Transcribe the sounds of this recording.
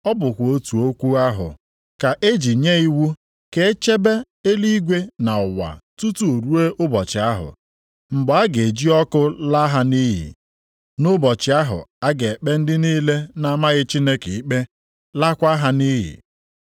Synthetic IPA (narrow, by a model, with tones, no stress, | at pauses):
ɔ˦bʊ˨kʷo˦tu˨o˦kʷu˦a˦ɦʊ̰˨ | ka˨ʔe˦d͡ʒi˨ɲe˦i˦wu˦ | ke˨e˦t͡ʃe˦be˦ | e˦li˦ɡʷe˦na˨ʊ˨wa̰˨tu˦tu˦o˨ɾu˦e˦ʔʊ˦bɔ˨t͡ʃɪ˨a˦ɦʊ̰˨ | ŋ͡m̩˨ɡ͡bɔ˨a˦ɡe˨d͡ʒi˦ɔ˦kʊ˦la˦ɦa˦ni˦ɦḭ˨ | nʊ˦bɔ˨t͡ʃɪ˨a˦ɦʊ̰˨a˦ɡe˨e˨k͡pe˦n̩˦dɪ˦niː˦le˦na˦ma˦ɣɪ˦t͡ʃi˦ne˦ke˨i˦k͡pe˦ | la˦kʷa˦ɦa˦ni˦ɦɪ̰˨